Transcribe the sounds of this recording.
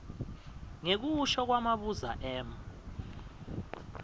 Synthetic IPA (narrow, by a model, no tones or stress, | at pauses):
ŋek̬uʃɔk̬wamaɓuza̰ʔɛːm